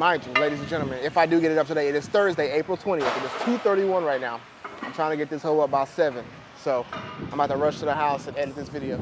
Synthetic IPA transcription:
mãɪ̃nd͡ʒɨleɪɾiz̃nd͡ʒɛ̃ɾˡl̩ˠmɨ̃nɪfaɪdɨɡɛɾɨɾʌp̚tʰɨdeɪɨɾɨz̥θɜ˞zdeɪeɪpɹl̩ˠtʰw̥ɛ̃ɾ̃iɛfɨɾɨz̥tʰʉθɜ˞ɾiwʌ̃nɹaɪtⁿnaʊ | ãɪ̃mtʰɹaɪɪ̃ŋtʰɨɡɛt̪̚ðɪshoʊʌbaʊtsɛvɨ̃n | soʊãɪ̃mɡatʰəɹʌʃtʰɨðəɦaʊsɨ̃nɛ̃n̚ðɪsvɪɾioʊ

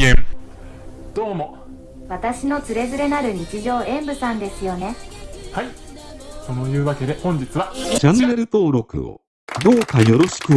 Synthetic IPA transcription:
ẽ | d̪̥o̞ːmo̞ | βat̪aɕino̞t͡sɨɾe̞zɨɾe̞naɾɯ̟ɲ̟it͡ɕiʑo̞ːẽ̞mbɯ̟sãnd̪e̞sɨjo̞ne̞haiso̞no̞jɯ̟ːβake̞d̪e̞hõ̞ɲ̟d͡ʑit͡sɨβat͡ɕãnːe̞ɾɯ̟t̪o̞ːɾo̞kɯ̟̰o̰ | d̪o̞ːkajjo̞ɾo̞ɕi̥kɯ̟

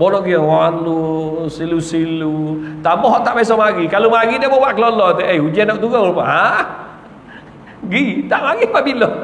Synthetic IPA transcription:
bɔlɔɡiɔwaanlusilusilut̪abɔɦɔʔtːaʔmajs̬ɔmaɡikalumaɡidɛbɔbaʔklɔlɔtɛejud͡ʒanɔʔt̪uɡaɔbɔɦa | ɡit̪aʔmaɡipabilɔ

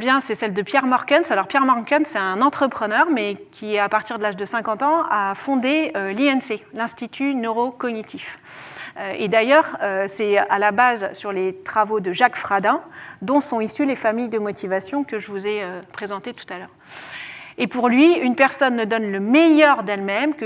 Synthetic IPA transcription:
bjɛ̃sɛsɛld̪əpjɛʁmɔʁkʲɛnsalɔʁpjɛʁmɔʁkʲɛnsɛt̪ɛ̃nɑ̃t̪χəpχənœʁmɛkʲiɛapaʁt̪iʁd̪əlaʒd̪əsɛ̃kɑ̃t̪ɑ̃afɔ̃d̪eøliɛnselɛ̃st̪it̪ʰynøʁokɔnit̪ʰif | øed̪ajœʁøsɛalabazsyʁlet̪χavod̪əʒakfχad̪ɛ̃d̪ɔ̃sɔ̃isylefamijd̪əmɔt̪ʰivasjɔ̃kəʒəvuzɛøpχezɑ̃t̪et̪u̥t̪alœːʁ | epuʁlɥiynpɛʁsɔnːəd̪ɔnləmɛjœʁd̪ɛlmɛmkə

